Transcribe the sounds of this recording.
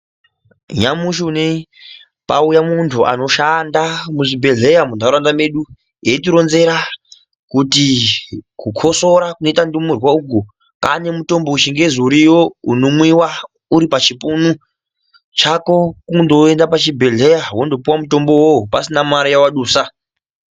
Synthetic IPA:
ɲamuʃiunei | paujamuntʰuʔa̰no̞ʃandamuʐibʱe̞ɮe̞jamundaɾandame̞ɗu | ɦe̞tiɾo̞nze̞ɾa | kuti | kukʰo̞so̞ɾakunoitandumurwauk̬u | kane̞muto̞mbouʃiŋɡe̞zuɾijo̞unomwiwa | uɾipat͡ʃipunu | t͡ʃako̞kundo̞endapat͡ʃibʱe̞ɮe̞jawondo̞puwamuto̞mbo̞wopasinamaɾijawaɗuːsa

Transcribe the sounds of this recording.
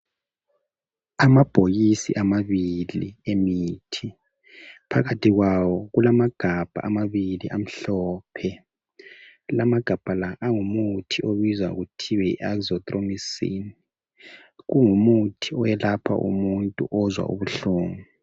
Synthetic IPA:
amab̥ʱoɣisḭʔamaβilḭemitʰi | pʰaɣatʰiɣwawɔɣulamaɡ̥ʱab̥ʱa̰ʔamaβiliʔam̩ɬɔːpʰɛ | lamaɡ̥ʱab̥ʱalaʔaŋumutʰioβizwa̰ɣutʰiwɛḭʔaɡzɔt̪ʼromisḭni | ɣuŋumutʰiɔjɛlapʰa̰ʔṵmuntʼṵʔɔzwa̰ʔṵβuɬuːŋu

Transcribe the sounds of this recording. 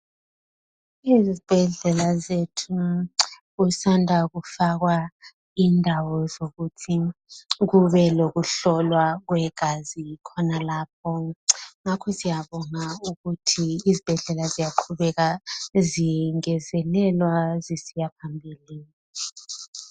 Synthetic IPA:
izib̥ʱɛɮɛlazetʰu | usandʱak̬ufak̬wa | indʱawɔzokutʰik̬uɓɛlok̬uɬɔlwak̬wɛɡ̥ʱazikʰɔnalaːp̚ʰɔŋakʰɔsijaɓɔŋauk̬utʰiːzib̥ʱɛɮɛlazijaǃʰuɓɛk̬aziŋɛzɛlɛlwazisijapʰambʱilini

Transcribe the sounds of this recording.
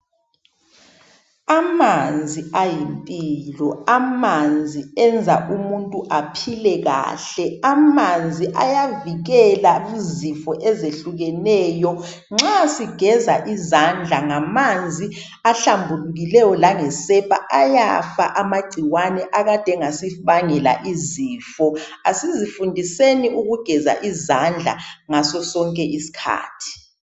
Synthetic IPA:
amand͡zʱiajimpʼiiːlɔamand͡zʱiɛnd͡zʱaʔumuntʼuʔapʰilɛɣa̰ːɬɛamand͡zʱiʔa̰javiɣɛlaizifɔʔɛzeɬuɣɛnɛːjɔ | ŋ͡ǁasiɡ̥ʱɛzaʔizand͡ɮʱaŋamand͡zʱi | aɬambʱuluɣilɛjɔlaŋɛsɛpʰa̰ʔaja̰fa̰ʔamaɡ͡ǀʱiwanɛʔaɣad̥ʱɛŋasiβaŋɛla̰ʔiziːfɔ | asizifundʱiseniʔuɣuɡ̥ʱɛza̰ʔizand͡ɮʱa̰ŋasɔsɔŋkʼɛʔisi̥kʰa̰ːtʰi̥

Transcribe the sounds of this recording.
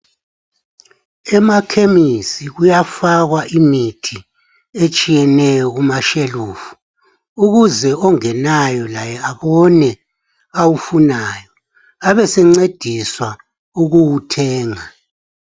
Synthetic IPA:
ɛmakʰemisiɣujafaɣwaʔimitʰi | et͡ʃʼijɛnɛjɔɣumaʃeluːfu̥ | uɣuzɛɔŋɛnajɔlajɛaβɔnɛ | awufunaːjɔ | aβɛsɛŋ͡ǀed̥ʱiswa | uɣuwutʰɛːŋa

